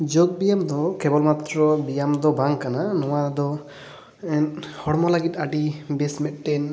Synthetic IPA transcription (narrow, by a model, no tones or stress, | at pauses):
d͡ʒoɡ̚bijamd̪ɔkɛbɔlmat̪ɾɔbijamd̪ɔbaŋkananɔwad̪ɔ | ɛnhɔɽmɔlaɡit̪̚aɖibɛsmɛt̪̚ˀʈɛn